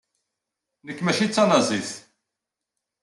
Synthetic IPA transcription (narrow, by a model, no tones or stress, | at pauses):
nəkːmæʃit͡sːɑnɑzˤiθ